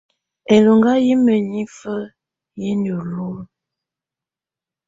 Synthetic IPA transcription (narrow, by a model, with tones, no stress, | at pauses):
e˨lo˨ŋɡa˦ji˦mə˨ɲi˦fə˦ | ji˦ndə˨lo˦˨